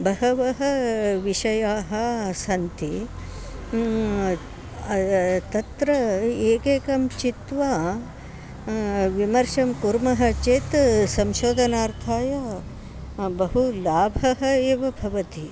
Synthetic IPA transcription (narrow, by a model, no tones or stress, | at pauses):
bʱɐɦɐʋɐɦɐʋiʃɐjaːɦɐ̆sɐnt̪i | t̪ɐt̪ɾɐeːkeːkɐmt͡ʃit̪ʋaː | ʋimɐɾʃɐmkuɾmɐɦɐ̆t͡ʃeːt̪sɐmʃoːd̪ʱɐnaːɾt̪ʰaːjɐ | bɐɦulaːbʱɐɦɐ̆eːʋɐbʱɐʋɐt̪i